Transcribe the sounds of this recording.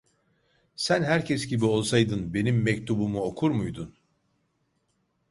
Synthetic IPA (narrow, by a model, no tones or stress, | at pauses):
sænɦæɾcʰɛsɟibio̞lˠsajd̪ɯnbe̞nimːɛc̚t̪ʰubumuo̞kʰuɾmujd̪un